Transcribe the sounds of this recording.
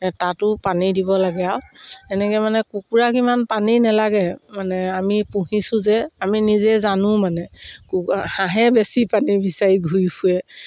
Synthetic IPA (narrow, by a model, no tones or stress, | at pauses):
tatʊpanidibɔlaɡɛawɛnɛkɛjmanɛkukuɹakimanpaninɛlaɡɛmanɛamipuɦisʊ̃zɛaminizɛzanʊ̃manɛkuhãɦɛbesipanibisaɹiɡʱujkʰuɛ